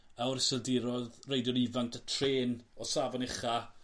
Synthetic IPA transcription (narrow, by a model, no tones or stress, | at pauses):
awɾɪsɪlˠdɪɾɔðrejdjɔnivanktʰətʰreːnɔsavɔnɪχa